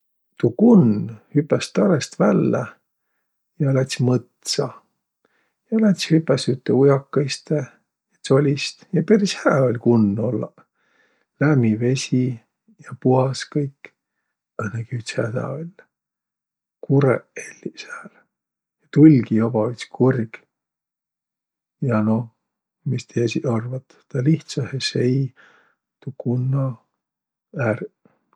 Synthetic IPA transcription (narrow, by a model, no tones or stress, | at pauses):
t̪ukunːhypːˑest̪ɑɾest̪vælːæ | jɑlæt̪ʲsʲmɤt̪sɑ | jɑlæt̪ʲsʲhypːˑesyt̪ːeujɑkːɑjst̪e | jɑt̪so̞lʲist̪jɑpeɾishæːo̞lʲkunːo̞lːɑ̰ | læmive̞sʲi | jɑpuhɑskɤjkː | ɤnekyt̪sæd̪æ̰ːolʲ | kuɾḛelʲːisæːl | jɑt̪ulʲɡiobɑit̪skʰurɡ̥ | jɑno | mist̪ʰesiɑrvɑt̪ːt̪ɑliht̪sɑhesej | t̪ukunːɑ | ær